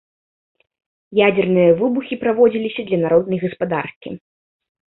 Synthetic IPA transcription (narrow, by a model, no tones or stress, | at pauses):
jad͡zʲɛrnɨjɐvɨbuxʲipɾavɔd͡zʲilʲisʲɐd̪lʲɐnaɾɔd̪nɐjɣɐspad̪a̰rkʲḭ